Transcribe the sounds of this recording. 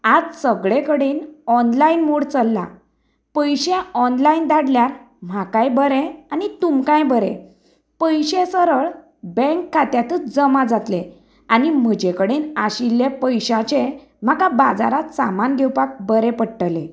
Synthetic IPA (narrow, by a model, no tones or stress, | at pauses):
ad͡zsəɡɭẽkəɽenɔnlainmoɽt͡səlːa̰ | pəjɕẽɔnlaind̪aɽljaɾ | m̤akãjbəɾẽanit̪umkãjbəɾḛ̃ | pəjɕẽsəɾəɭ | bɛ̃ŋkːat̪jat̪ət͡sd͡zəmad͡zat̪lẽ | anim̤əd͡ʑekəɽenaɕilːepəjɕat͡ɕe | m̤akabad͡za̰ɾat̪sa̰manɡʱewpak̚bəɾepəɽʈəlẽ